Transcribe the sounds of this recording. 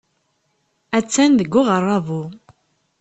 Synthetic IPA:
æt͡sːænðəɡːʊʁərˤːɑvu

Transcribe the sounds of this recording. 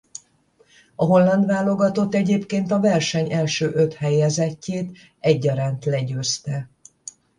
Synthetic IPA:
ɒɦo̞lːɒnd̪ʋaːlːo̞ɡɒt̪o̞t̪ːɛɟeːpkeːnt̪ɒvɛrʃɛɲɛlʃøːʔø̞t̪hɛjɛzɛcːeːt̪ | ɛɟːɒɾaːnt̪lɛɟøːst̪ɛ

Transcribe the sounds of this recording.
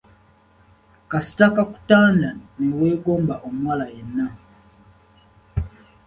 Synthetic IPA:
kasi̥takaku̥taːndanewe̞ːɡo̞ːmbaʔomuwalajenːa

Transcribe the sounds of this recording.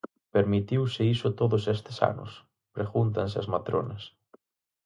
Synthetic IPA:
peɾmit̪iwsɪisʊt̪oðʊsest̪ɪsa̰nʊ̰s | pɾexunt̪ans̬ɪɐzmat̪ɾo̰nɐs

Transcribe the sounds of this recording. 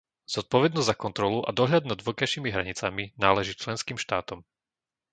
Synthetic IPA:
z̥ɔt̪̚pɔʋɛd̪nɔzʲzakɔnt̪ɾɔluʔa̰d̪ɔɦʎad̪̚nad̪ʋɔkajʃimiɦɾaɲit͡saminaːlɛʒiːt͡ʃlɛnskiːmʃt̪aːt̪ɔm

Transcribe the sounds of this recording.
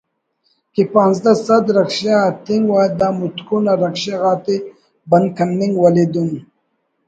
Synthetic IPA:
kipɑːnzd̪asad̪ɾakʃeat̪iŋɡwad̪ɑmut̪kunaɾakʂeɣɑːt̪e | bankanːiŋɡwaled̪un

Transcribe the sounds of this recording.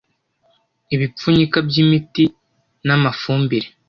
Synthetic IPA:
iβip͡fuɲikabjimiti | namafuːmbiɾe

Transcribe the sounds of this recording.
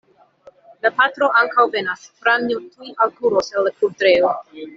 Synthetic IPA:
lapatɾo̞ʔaŋkawvenasfɾanutujalkuɾoselːakuɾtɾeo

